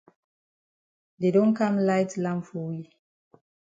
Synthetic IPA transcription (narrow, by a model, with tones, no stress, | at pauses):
de˨dõ˦nkã˦mlaɪtlãmfɔ˨wi